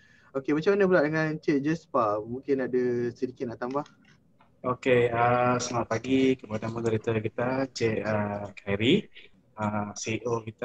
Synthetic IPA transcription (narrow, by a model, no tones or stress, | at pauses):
okemat͡ʃamanəbəlaʔdəŋãnt͡ʃɛʔ̚d͡ʒɛspamũŋkɪnadəsədikɪt̪̚naʔt̪ambah | okeəsəmaʔpaɡikəpadaməɡəɾit̪akit̪at͡ʃɛʔəkʰaɾi | əsiʔokit̪a